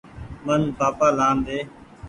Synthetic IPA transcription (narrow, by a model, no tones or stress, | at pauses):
mənbaːpaːlãːnd̪eː